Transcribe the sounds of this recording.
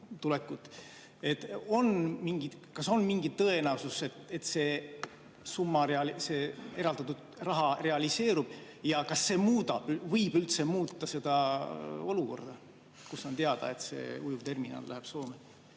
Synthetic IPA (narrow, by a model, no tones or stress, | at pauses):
t̪ulekːˑut̪ːˑ | et̪ːo̞nmiŋɡit̪kɑso̞nmiŋɡit̪ːɤ̞e̞næususe̞t̪et̪ːse̞ː | sumːɑɾeɑlise̞ːe̞ɾɑld̪ɑt̪ːud̪̥rɑɦɑre̞ɑlise̞ːɾub̥ | jɑkɑsːe̞ːmuːd̪ɑb̥vɤjbylt̪se̞muːt̪ˑːɑse̞d̪̥ɑo̞luko̞̰rd̪̥ɑ | kusont̪eɑd̪̥ɑ̰e̞t̪se̞̰ːujut̪e̞rminɑ̰ːlːʔæɦæb̥so̞ːme